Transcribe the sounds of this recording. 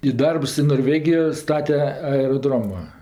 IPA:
ɪ ˈdɐrps ɪ noːrʲˈʋʲæːɡʲɪjoː ˈstɑːtʲɛ ɐɛroːˈdroːmɐ

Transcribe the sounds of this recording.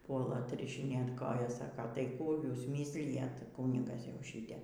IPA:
ˈpuɔlˠɐ ɐtʲrʲɪʃʲɪˈnʲeːt ˈkoːjɛs ˈsɑːkɐ tɐɪ ˈkuː ˈjuːs ˈmʲiːsʲlʲɪjɛt ˈkuːnʲɪɡɐs jɛʊ ˈʃʲiːtʲɛ

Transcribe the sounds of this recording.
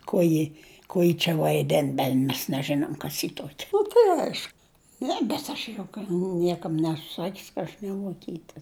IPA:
koː ˈjɪ ˈkuɔ jɪ t͡ʃʲɛ ʋɐɪˈdʲɛn ˈbʲɛnʲ mʲɛs nʲɛˈʒʲæːnoːm ˈkɐs jɪ ˈtuɔkʲɛ ˈnʊ tɐɪ ɐɪʃ ˈnʲɛ bʲɛt ɐʃ jʊk ˈnʲiɛkɐm ˈnʲæːsʊ ˈsɑːkʲʊs kɐ ˈɐʃ nʲɛʋuɔˈkʲiːtʲɛ

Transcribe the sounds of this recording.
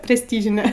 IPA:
pʲrʲɛsʲˈtʲiːʒʲɪnʲɛ

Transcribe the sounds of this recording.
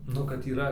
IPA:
ˈnʊ kɐt iːˈrɐ

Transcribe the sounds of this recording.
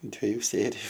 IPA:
dʲʋʲeːˈjʊ ˈsʲeːrʲɪjʊ

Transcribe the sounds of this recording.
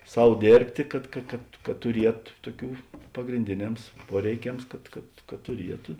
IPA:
ˈsɐʊ ˈdʲeːrʲpʲtʲeː ˈkɐt kɐ kɐt kɐt tʊˈrʲiɛt ˈtuɔˌkʲuː pɐɡrʲɪnʲˈdʲeːˌnʲɛms ˈpuɔrʲɛɪˌkʲɛms ˈkɐt kɐt kɐt tʊˈrʲiɛtʊ

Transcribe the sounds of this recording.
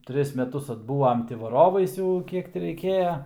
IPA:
ˈtʲrʲɪs mʲɛˈtʊs ɐdˈbuːʋɐm ˈtʲɪ ʋɐˈroːʋɐɪs ˈjɛʊ ˈkʲiɛk tʲɪ rʲɛɪˈkʲeːjɛ

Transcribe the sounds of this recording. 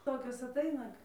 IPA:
ˈtoːkʲoːs ɐˈtɐɪnɐ

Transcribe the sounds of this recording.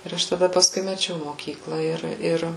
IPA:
ɪr ˈɐʃ tɐˈdɐ pɐsˈkʊɪ mʲɛˈt͡ʃʲɛʊ moːˈkʲiːklˠɐ ˈɪr ˈɪr

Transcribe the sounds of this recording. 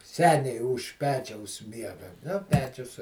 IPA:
ˈsʲæːnʲɛɪ ʊʃ ˈpʲæːt͡ʃʲɛʊs ˈmʲiɛɡɐ nʊ ˈpʲæːt͡ʃʲʊs

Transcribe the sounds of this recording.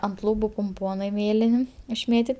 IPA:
ɐnt ˈlˠuːbʊ pʊmˈpoːnɐɪ ˈmʲeːlʲɪnʲ ɪʃʲˈmʲeːtʲɪtʲ

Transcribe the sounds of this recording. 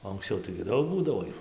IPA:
oː ɐŋksʲˈt͡sʲɛʊ tɐɪɡʲɪ ˈdɐʊk ˈbuːdɐʋoː ˈjuː

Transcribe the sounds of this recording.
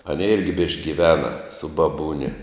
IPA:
ɐˈnʲeː ˈɪrʲɡʲɪ bʲɪʃʲkʲ ɡʲɪˈʋʲæːnɐ sʊ bɐˈbuːnʲɛ

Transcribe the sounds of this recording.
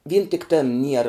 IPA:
ʋʲiːn tʲɪk ˈtʲeːn ˈnʲiɛrɐ

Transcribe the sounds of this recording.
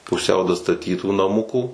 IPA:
pʊˈsʲɛʊ dɐstɐˈtʲiːtuː nɐˈmʊkuː

